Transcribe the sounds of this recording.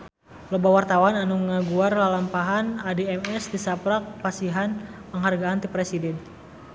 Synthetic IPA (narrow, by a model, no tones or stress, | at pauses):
lobawart̪awananuŋaɡuarlalampaɦanadeɛmɛsdisapɾak̚pasiɦanpəŋɦarɡaːnt̪ipɾesidɛn